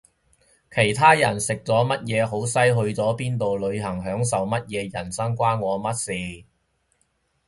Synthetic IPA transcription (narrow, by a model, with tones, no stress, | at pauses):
kʰe˨˩jt̪ʰaː˥jɐ̰˨˩nsɪ˨k̚t͡sɔː˨˥mɐ˥t̚jɛː˨˧ɦo˨˥wsɐ˥jɦɵ˧ɥt͡sɔː˨˥piː˥nt̪̬o˨wlɵ˨˧ɥɦɐ˨˩ŋɦœː˨˥ŋsɐ˨wmɐ˥t̚jɛː˨˧jɐ˨˩nsɐ˥ŋkʷaː˥nŋɔː˨˧mɐ˥t̚siː˨